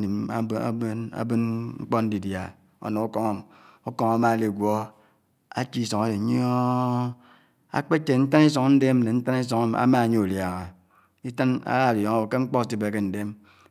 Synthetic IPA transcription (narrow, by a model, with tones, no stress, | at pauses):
ni˨m̰˦a̰˦bɨ˦nŋ͡m̩˦k͡po˦n̩˦di˨dja˨ | o̰˨no˨o˦ko˦ŋa˦˨ | o˦ko˦ŋa˦ma˦˨li˨ɡʷo˦ | a̰˦t͡ʃi˦so˨ŋa˦de˨˦ɲ˦o˦ | a̰˦k͡pe˦t͡ʃe˨n̩˦ta˦ni˦s̬o˨ŋ˦n̩˦de˦m̩˦ne˨n̩˦ta˦ni˦s̬o˨ŋa˦a̰˦ma˦˨ɲe˦u˨lja˨ŋa˨ | i˦ta˦na̰˦ɣa˦˨djo˨ŋa˦wo˨ke˦ŋ͡m̩˦k͡po˦˨si˦be˨ke˦n̩˨de˦m